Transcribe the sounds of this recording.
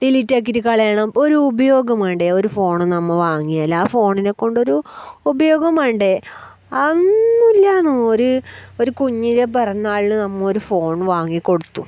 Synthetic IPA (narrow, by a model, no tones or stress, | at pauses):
dilitːaːk̬ːiɾukɐɭɐjaɳɐmo̞ɾuːbɐjo̞ːɡɐmaːɳɖeo̞ɾufo̞ːɳɨnɐmːɐʋaːŋːijɐlːaːfo̞ːɳinekːo̞ɳɖo̞ɾuːbɐjo̞ːɡɐmaːjɳɖe̞ | ɐnːulːanɨoɾuoɾukuɲːiɾepɐrɐnːaːɭinɨnɐmːɐo̞ɾufo̞ːɳʋaːŋːikːo̞ɽut̪ːu